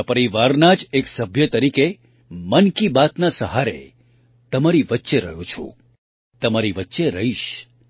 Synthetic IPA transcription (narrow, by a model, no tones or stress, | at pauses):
pəɾiʋaɾnad͡ʒeksəbʱjət̪əɾike | mənkibat̪nasəɦaɾḛ | t̪əmaɾiʋətːʃeɾəɦjõt͡ʃʰo̰ | t̪əmaɾiʋətːʃeɾəɦiʃ